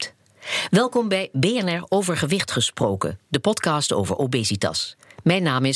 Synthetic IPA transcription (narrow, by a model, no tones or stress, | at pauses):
ʋɛlˠkɔmbɛjbejɛnɛɹowvəɹχəʋɪχtχəsprowkə̰dəpɔtkɑːsto̰wvə̰ɹʔobejzitɑ̰smɛjnaːmɪ